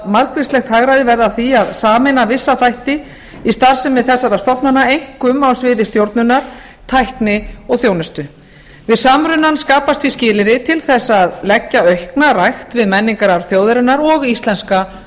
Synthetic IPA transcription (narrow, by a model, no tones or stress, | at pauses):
maɾkvɪstlɛxt̪haɣɾajðɪvɛɾðaθiaðsaːmɛnavɪsːaθajht̪ɪ | ist̪aɾ̥sɛmvɪðθɛsːaɾast̪ɔpnanaejŋ̥kʏmawsvɪːðɪst̪jowɾt̪nʏnːaɾ̥ | t̪ʰajhknɪɔɣθjoːwnɛst̪ʏ | vɪðsaːmɾʏnːanskaːpast̪viscɪːlɪɾɪt̪ʰɪlθɛsːaðlɛcːaœɥhknarajxt̪vɪðmɛnːiŋkaɾaɾθjoːwðɪɾɪnːaɾɔɣist̪lɛnska